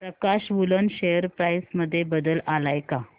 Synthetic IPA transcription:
pɾəkaɕʋulənɕejəɾpɾajsməd̪ʱːjebəd̪əlʔalajka

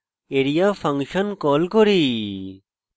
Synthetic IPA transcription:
eɾijafʰɐŋʃənkɔːlkoɾi

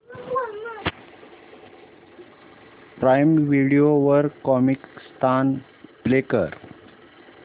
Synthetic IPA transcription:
pɾajmʋiɽioʋəɾkɔmikst̪ʰan | blekə̰ɾ

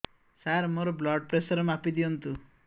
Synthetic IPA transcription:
saɾmoɾoblɔɖpɾesʌɾmapid̪iɔnt̪u

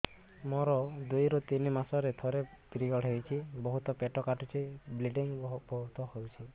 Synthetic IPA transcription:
mɔɾɔd̪ujɾɔt̪inimasɔɾet̪ʰɔɾepɾiɡɔɽɦejt͡ʃʰibɔɦut̪ɔpeʈɔkaʈut͡ʃʰibliɖiŋbɔɦut̪ɔhowt͡ʃʰi

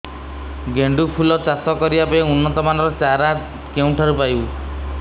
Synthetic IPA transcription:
ɡeɳɖupʰulɔt͡ʃasɔkɔɾibapɔeunːɔt̪ɔmanɔɾɔt͡ʃaɾa | keũʈʰaɾupaj

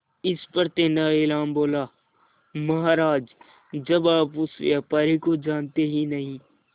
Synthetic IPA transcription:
ɪspɐɾt̪eːnaeːlaːmboːlaː | mɐɦaːɾaːd͡ʒ | d͡ʒɐbaːpʊsepaɾekod͡ʒaːnt̪eɦinɐɦĩː

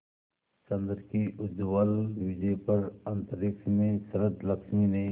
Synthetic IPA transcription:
t͡ʃɐ̃nd̪əɾkiʔʊd͡ʒwəlʋɪd͡ʒepəɾɐ̃nt̪əɾɪksmẽsɐɾəd̪lɐksmine

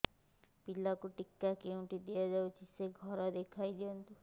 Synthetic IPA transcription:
pilakuʈikːakeũɳʈid̪ijad͡ʒawt͡ʃʰiseɡʱɔɾad̪ekʰajd̪iɔnt̪u

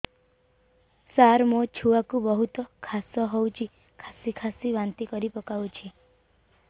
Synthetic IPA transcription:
saɾmot͡ʃʰuakubɔɦut̪ɔkʰasɔɦowt͡ʃʰi | kʰasikʰasibant̪ikɔɾipɔkawt͡ʃʰi

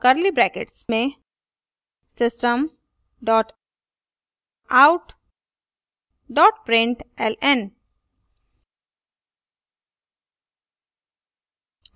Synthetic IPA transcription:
kəɾlibɾɛːkḛʈsmẽ | sɪsʈəm | ɖɔːʈ | aʊʈ | ɖɔːʈpɾɪ̃ɳʈɛlɛn

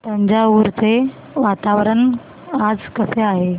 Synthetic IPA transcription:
t̪əɲd͡ʑauɾt͡se | ʋat̪aʋɾən | ad͡zkəseaɦe

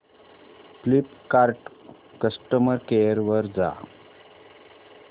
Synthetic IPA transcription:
flipkaɾʈ | kəsʈəməɾkejəɾʋəɾd͡za̰

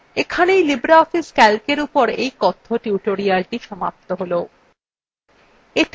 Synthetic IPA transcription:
ekʰanejlibɾaɔfiskɛlkeɾupoɾejkɔt̪ʰːoʈuʈoɾialʈiʃɔma̰p̚t̪oɦolo | et

